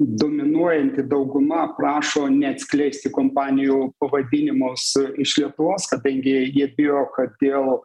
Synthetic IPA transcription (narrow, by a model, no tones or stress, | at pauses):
d̪oːmʲɪnuɔjɛnʲt̪ʲɪd̪ɐʊɡʊmɐprɑːʃoːnʲɛɐt̪ʲsʲkʲlʲɛɪsʲt̪ʲɪkoːmpɑːnʲɪjuːpɐʋɐd̪ʲɪnʲɪmʊsɪʃlʲiɛt̪ʊʋoːskɐd̪ɐŋʲɡʲɪjiɛbʲɪjoːkɐd̪ʲeːlˠ